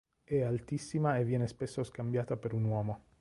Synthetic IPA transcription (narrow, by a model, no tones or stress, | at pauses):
ealt̪isːimaevjenespesoskambjat̪apeɾunwɔːmo